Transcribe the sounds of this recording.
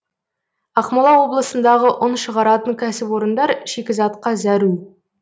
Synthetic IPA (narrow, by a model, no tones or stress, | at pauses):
ɑqmɑlˠɑwo̞blˠəsənd̪ɑʁəʔʊnʃəʁɑɾɑt̪əŋkʲʰæsɪpwo̞ɾənd̪ɑɾʃekʲɪzɑt̪qɑzæɾu